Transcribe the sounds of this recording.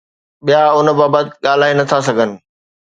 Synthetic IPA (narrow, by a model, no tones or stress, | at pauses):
ɓijaʊn̆baːbət̪ɪɠaːl̤aːenɐt̪ʰasɐɡʱənɪ̆